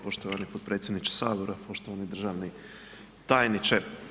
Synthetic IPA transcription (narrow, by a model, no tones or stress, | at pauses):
poʃt̪oʋanipot̪̚pɾe̞ːt̪sʲjed̪nit͡ʃe̥saːʋoɾapoʃt̪oʋanid̪r̩ʒaʋni | t̪aːjnit͡ʃe